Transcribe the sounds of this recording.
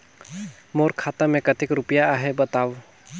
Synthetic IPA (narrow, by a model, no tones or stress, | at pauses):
moɾkʰat̪amekətikɾupijaːɦɛbət̪aw